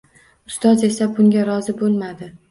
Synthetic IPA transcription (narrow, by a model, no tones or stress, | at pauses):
ʊst̪ɒze̞sabʊŋɡʲaɾɒzɪbolˠmad̪ɪ